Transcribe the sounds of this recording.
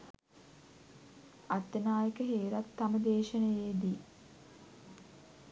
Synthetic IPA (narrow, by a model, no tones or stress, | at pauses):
at̪ːənaːjəkəɦeːɾat̪ːaməd̪eːʃənəjeːd̪i